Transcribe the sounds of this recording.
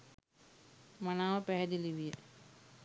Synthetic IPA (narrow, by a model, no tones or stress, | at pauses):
manaːʋəpæɦɛd̪iliʋijə